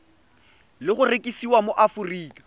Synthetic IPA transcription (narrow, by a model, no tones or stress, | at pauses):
lɪχʊrekʼisiwamoʔafuriːkʼḁ